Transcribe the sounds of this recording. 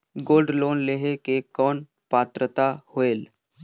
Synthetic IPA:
ɡoːlɖloːnleːɦekekɔːn | paːt̪ɾət̪ahoeːl

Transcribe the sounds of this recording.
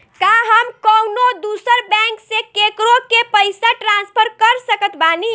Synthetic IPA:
kaɦəmkəwnod̪usəɾbɛ̃ŋksekekɾokepəɪsaʈɾanspʰəɾkəɾsəkət̪bani

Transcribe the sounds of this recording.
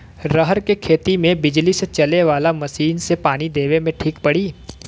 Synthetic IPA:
ɾəɦəɾkekʰeːt̪imẽbɪd͡ʒliset͡ʃɐleʋaːlamɐʃiːnsepaːnid̪eːʋemẽʈʰiːkpɐɽiː

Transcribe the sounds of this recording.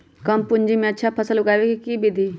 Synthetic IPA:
kəmpʊɲd͡ʒimẽətːʃʰaːpʰəsəlʊɡaːʋekikiːbid̪ʱiː

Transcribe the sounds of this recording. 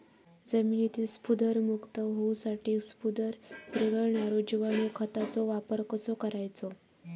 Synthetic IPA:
d͡zəmiːnit̪ʰiːspud̪əɾmukt̪əɦousaʈiːspud̪əɾpɾəɡəɭɳaɾod͡ʑuʋaɳ̃okʰət̪at͡soʋapəɾkəsokəɾajt͡so

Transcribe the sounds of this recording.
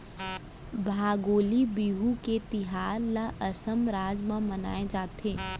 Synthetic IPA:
bʱaːɡoːlibiːɦuket̪ɪɦaːɾlaʔɐsəmɾaːd͡ʒmãmɐna̰ːed͡ʒaːt̪eː

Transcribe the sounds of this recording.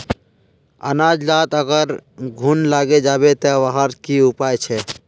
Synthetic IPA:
ə̰naːd͡ʒlaːt̪əɡəɾɡʱunlaɡed͡ʒabet̪ɔʋaɦəɾkiupajt͡ʃʰɛ

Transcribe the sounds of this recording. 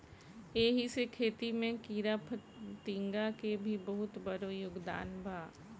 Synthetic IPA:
eːɦisekʰeːt̪imẽkiːɾapʰt̪ĩːŋɡakebʱibɐɦʊt̪bɐɾojʊɡd̪a̰ːnbʱaː

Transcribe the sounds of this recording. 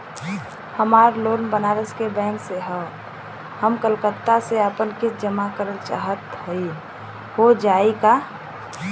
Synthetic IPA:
həmaːɾlonbənaɾəskebɛ̃ːŋkseɦə | həmkəlkət̪ːaseəpənkit̪ʰd͡ʒəmakəɾəlt͡ʃa̰ɦət̪ɦəi | hod͡ʒaika

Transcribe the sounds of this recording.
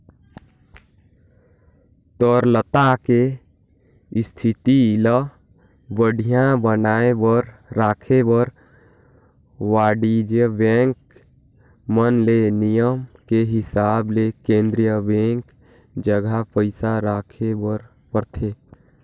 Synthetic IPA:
t̪ɔɾlət̪ake | st̪ʰit̪ilə | bəɽʱijãbənaːebəɾɾaːkʰebəɾ | waːɖid͡ʒəbẽːŋk | mənlenijəmkeɦɪsaːblekẽːnd̪ɾijəbẽːŋk | d͡ʒəɡʱapəɪsaɾaːkʰebəɾ | pəɾt̪ʰe

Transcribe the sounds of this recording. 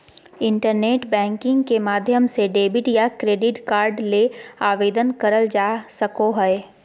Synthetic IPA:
ɪ̃ɳʈəɾneːʈbɛ̃ːŋkɪ̃ŋɡkemaːd̪ʱjəmseɖeːbɪʈjakɾeːɖɪʈkaːɾɖleaːʋeːd̪ənkəɾəld͡ʒaːsəkoɦɛe

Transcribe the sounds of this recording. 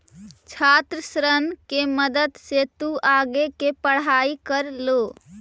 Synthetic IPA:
t͡ʃʰat̪ɾəsɾənkeməd̪əd̪set̪uaɡekepəɽ̤aikəɾlo

